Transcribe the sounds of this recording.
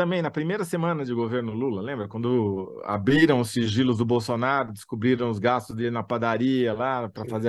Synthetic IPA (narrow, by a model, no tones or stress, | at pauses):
t̪ɐ̃mbẽj̃nɐpɾimejɾɐsemɐ̃nɐd͡ʒɪɡoveɾnʊlulɐlẽmbɾɐkwɐ̃nd̪ʊa̰bɾiɾɐ̃w̃ʊsiʒilʊzd̪ʊbowsonaɾʊd̪ɪskubɾiɾɐ̃w̃ʊzɡast̪ʊzd̪ɪnapad̪aɾiɐlapɾɐfaze